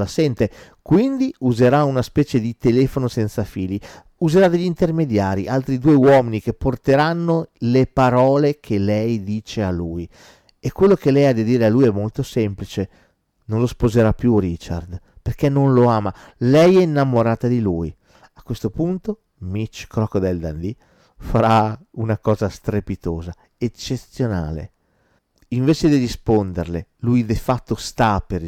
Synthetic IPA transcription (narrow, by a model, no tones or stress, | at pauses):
lasɛnt̪e | kwind̪iuzeɾaunaspɛːt͡ʃed̪it̪elɛːfonosɛnt̪safiːli | uzeɾad̪eʎːint̪ermed̪jaːɾḭʔalt̪ɾid̪uːewɔːminikepːort̪eɾanːolepaɾɔːlekʰelɛjd̪iːt͡ʃealuːj | ekːwelːokelɛjad̪ːid̪iːɾealujɛmːolt̪osɛmplit͡ʃe | nonlospozeɾapːjuɾit͡ʃa̰rd̪perkenːonloaːmalɛjɛinːamoɾaːt̪ad̪iluj | akːwest̪opunt̪o | mit͡ʃkɾɔkd̪ɛld̪a̰nd̪i | faɾaunakɔːzast̪ɾepit̪oːza | et͡ʃːet̪sjonaːlḛ | iɱveːt͡ʃed̪irispond̪erlelujd̪efat̪ːost̪apeɾ